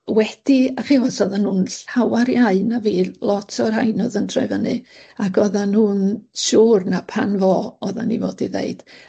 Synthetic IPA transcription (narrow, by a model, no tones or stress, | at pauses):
wɛd̥iaχiwasɔðanhuːnɬawaɾjaɨnaviːlˠɔtʰɔrhajnɔðəntʰrajvənɨ̰akʰɔðanhuːnʃuːrnapʰanvɔɔða̰nivoːdiðḛɨd̥